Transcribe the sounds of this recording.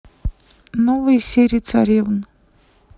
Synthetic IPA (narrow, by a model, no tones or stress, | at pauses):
novɨjsʲeɾʲiːt̪t͡s̪ʰa̰ɾʲivn